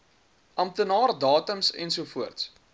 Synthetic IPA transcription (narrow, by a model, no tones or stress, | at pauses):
ʔɐmt̪ənɑːrdɑːtəmsɛ̰nsuəfuərts